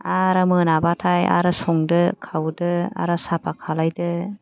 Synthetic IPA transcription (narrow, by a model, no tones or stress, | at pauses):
aɾɯmɯnabatʰaja̰ɾɯsɔŋdɯkʰawdɯa̰ɾɯsapʰakʰalajdɯ